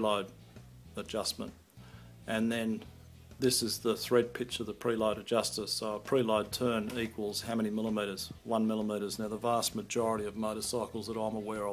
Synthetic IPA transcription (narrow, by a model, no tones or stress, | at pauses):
laɪɾ | əd͡ʒʌsmə̰̃nt | ʔɨ̃nðɨ̃n | ðɪsɨzðəθɹɛd̚pʰɪk̚t͡ʃʌvðəpʰɹ̥ilaʊɾɨd͡ʒʌstəsoʊəpʰɹ̥ilaɪd̚tʰɜ̃˞nikʰwəl̩ˠz̥haʊmɛ̃nimɪlˠəmiɾə˞z̥wʌ̃nmɪlˠəmiɾəznaʊðəvæˑstmɨd͡ʒɔɹəɾiʌvməʊɾəsɑɪkl̩ˠzðəɾɑ̃ɪ̃məwɛɹə